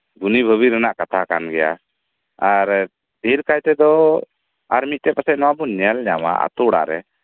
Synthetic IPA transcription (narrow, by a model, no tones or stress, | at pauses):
d̪unibʱəbiɾənaʔkat̪ʰakanɡɛja̰ | aɾ | d̪ʱiɾkajt̪ɛd̪ɔ | aɾmiˀt̪ɛpasɛʔnɔwabunnɛalɲama̰a̰t̪uɽa̰ɾɛ